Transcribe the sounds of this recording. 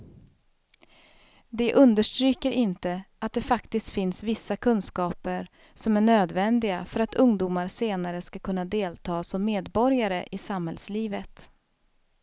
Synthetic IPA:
d̪ɛʔɵnd̪əʂʈɾyːkəɾɪnt̪ə | at̪̚d̪ɛfakt̪ɪst̪fɪnsvɪsːakʰɵnskɑːpəɾ | sɔmæɳøːd̪vɛnd̪ɪɡafœɾat̪ʰɵŋd̪uːmaɾseːnaɾəskakʰɵnːad̪eːlt̪ʰɑːsɔmːeːd̪bɔɾjaɾəʔɪsamhɛlsliːvət̪

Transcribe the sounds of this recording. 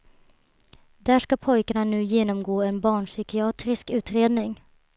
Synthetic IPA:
d̪æʂkapʰɔjkaɳanʉ̟ːjeːnɔmɡoːɛnbɑːɳʂʏkɪɑːt̪ɾɪskʉ̟ːt̪ɾeːd̪nɪŋ

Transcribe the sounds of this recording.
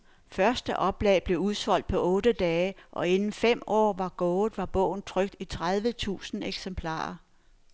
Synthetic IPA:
fɶɐsd̥əʔɒ̽b̥lɛ̰ːɪb̥le̝uð̞ˠsɒ̽l̰d̥̚pʰɒ̽ʔɔ̽ːd̥əd̥ɛːəʔɒ̽e̝nn̩fem̰ɒ̰ːʋɑ̈ɡ̥ɔːð̩ˠʋɑ̈b̥ɔ̰̽ʊ̰n̩t͡sʰʁœɡ̥̚d̥it͡sʰʁað̞ˠʋət͡sʰṵːsn̩eɡ̥sempʰlɑ̰̈ːɐ

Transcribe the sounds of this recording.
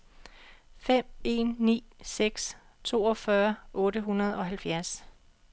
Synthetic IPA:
fem̰e̝̰ːnːḭːseɡ̥s | t͡sʰo̝̰ːɒ̽fɶɐʔɔ̽ːɾəɦunɐð̞ˠɒ̽ɦælfjæɐs

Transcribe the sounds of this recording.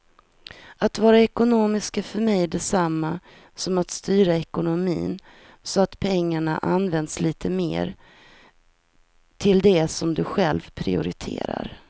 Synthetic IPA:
at̪vɑːɾaɛkʊnoːmɪskafœɾmɛjd̪ɛsamːa | sɔmat̪st̪yːɾaɛkʊnʊmḭːn | sɔat̪pʰɛŋːaɳaʔanvɛnd̪sliːt̪ʰəmḛːɾ | t̪ʰɪld̪ɛsɔmd̪ɵɧɛlvpʰɾɪʊ̰ɾɪ̰t̪ʰḛːɾa̰ɾ

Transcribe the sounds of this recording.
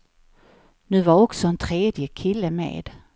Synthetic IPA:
nʉ̟ːvaɔksɔɛnt̪ʰɾeːd̪jəkʰɪlːəmḛːd̪̥

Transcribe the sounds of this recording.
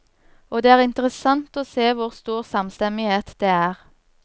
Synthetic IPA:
oːd̪eːæːʁɪnt̪əʁəsɑnt̪oːseːʋʊʁst̪uːʁsɑmst̪ɛmɪheːt̪d̪̥eːæːʁ

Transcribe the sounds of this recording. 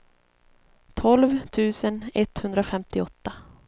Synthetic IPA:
t̪ʰɔlvt̪ʰʉ̟ːsənɛt̪hɵnd̪ɾafɛmt̪ɪɔt̪ːa

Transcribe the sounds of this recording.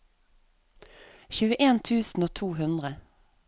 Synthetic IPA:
çʉːəʔeːnt̪ʰʉːsn̩oːt̪ʰuːhʉnd̪ʁə

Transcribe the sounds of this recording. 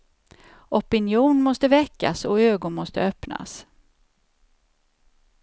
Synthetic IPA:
ʔɔpɪnjuːnmɔst̪əvɛkːa̰sɔøːɡʊnmɔst̪ə̰œpna̰s

